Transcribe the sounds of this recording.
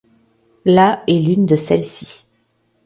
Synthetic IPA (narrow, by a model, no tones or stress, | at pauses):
laɛlynd̪əsɛlsi